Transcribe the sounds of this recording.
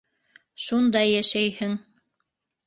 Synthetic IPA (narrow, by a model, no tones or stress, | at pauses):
ʃund̪ɑjːæʃæjhɘŋ